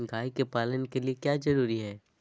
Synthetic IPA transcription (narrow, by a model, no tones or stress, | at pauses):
ɡʱaːikepaːlənkeliekjaːzɐɾuːɾiɦɛː